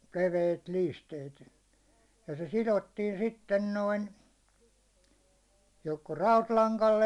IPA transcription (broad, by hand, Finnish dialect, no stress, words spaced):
leʋeit liːsteit jɑ se silotːiːn sitːen noin joko rɑutlɑŋkɑlː